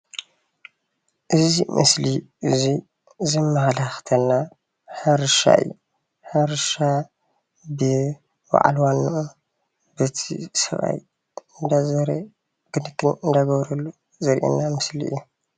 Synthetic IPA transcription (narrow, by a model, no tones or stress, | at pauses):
ʔɨzimʔɨ̰sliʔɨzi | zɨmːɐhalaxt̪ʰɐnːa | ħɨɾʃa̰ʔɨ̰jːu | ħɨɾʃa | bɨ | wa̰ʕa̰lwanːɨʔu | bɨt̪ʰisɐ̰βa̰j | ɨnd̪azɐɾe | ɡ̥ɨnɨt̪ʰːɨnɨnd̪aɡɐβɾɐlːu | zɐɾʔḛnːamɨsliʔɨ̰jːu